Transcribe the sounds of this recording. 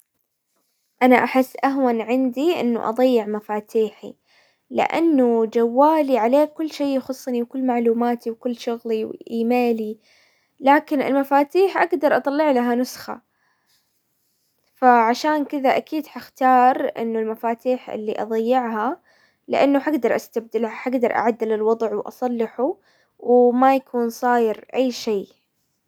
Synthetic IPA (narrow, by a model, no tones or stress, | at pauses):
ʔanaʔaħɪsːʔaɦwanʕɪnd̪iʔɪ̰nːṵʔɑ̰ðˤɑjːɪʕmafaːt̪ʰiːħḭ | lɪ̰ʔa̰nːud͡ʒawːaːliʕaleːkʊlːʃeːxʊsˤːniwkʊlːmaʕluːmaːt̪iwkɪlːʃʊɣliwʔiːmeːli | laːkɪnɪ̰lmafaːt̪iːħʔaɡd̪ɑɾˤʔɑt̪ˤɑlːɪʕlaɦanʊsxa̰ | faʕaʃaːnkɪðaʔakiːd̪ħaxt̪ɑːɾˤʔɪ̰nːʊlmafaːt̪iːħʔɪ̰lːiʔɑ̰ðˤɑjːɪʕɦa | lɪ̰ʔanːʊħaɡd̪ɑɾˤʔa̰st̪ab̚d̪ɪlhaħaɡd̪ɑɾˤʔa̰ʕad̪ːɪlɪlwɑðˤʕwʔɑ̰sˤɑlːɪħu | wmajakʰuːnsˤɑːjɪɾʔajːʃeː